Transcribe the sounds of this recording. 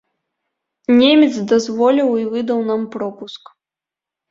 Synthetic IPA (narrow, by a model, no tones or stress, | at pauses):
nʲemʲɛt̪zd̪azvɔlʲiwivɨd̪ɐwnampɾɔpusk